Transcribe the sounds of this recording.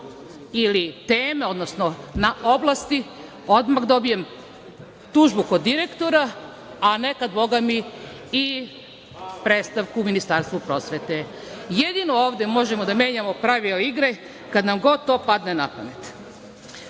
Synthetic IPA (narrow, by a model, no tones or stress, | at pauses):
ilit̪eːmeo̞d̪nosnonao̞blˠast̪i | od̪makd̪o̞bije̞m | t̪uʒbukod̪ːiɾe̞kt̪o̞ɾaː | ne̞kad̪bo̞ɡami | i | pɾeːt̪st̪aʋkuːminist̪aɾst̪ʋupɾo̞sʋet̪e | jed̪inooːʋd̪e̞mo̞ʒemod̪ame̞ːɲamo̞pɾaʋiliɡɾe | kad̪namɡo̞d̪̚t̪o̞ːpad̪nenapanet̪